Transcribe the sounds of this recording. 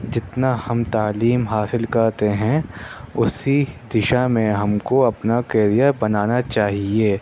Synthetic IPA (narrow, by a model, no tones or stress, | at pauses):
d͡ʒɪt̪nahɐmt̪aːliːmɦaːsɪlkɐɾt̪eɦɛ̃ | ʊsid̪ɪʃamẽɦɐmkoɐpnakeːɾijabɐnaːnat͡ʃaːɦieː